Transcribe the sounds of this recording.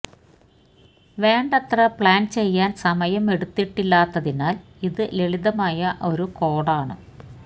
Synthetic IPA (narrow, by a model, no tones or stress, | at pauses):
ʋe̞ːɳɖɐt̪rɐpɭaːnt͡ɕe̞jːaːnsɐmɐjɐme̞ɽut̪ːiʈːilːaːt̪ːɐðinaːl | iðɨle̞ɭiðɐmaːjɐʔo̞ɾuko̞ːɽaːɳɨ